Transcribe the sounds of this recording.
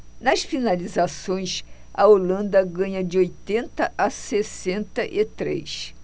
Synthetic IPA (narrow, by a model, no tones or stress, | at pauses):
nɐsfinalizasõj̃s | ɐ̰olɐ̃nd̪ɐɡɐ̃ɲɐd͡ʒɪojt̪ẽnt̪ɐʔasesẽnt̪ɐʔɪt̪ɾḛjs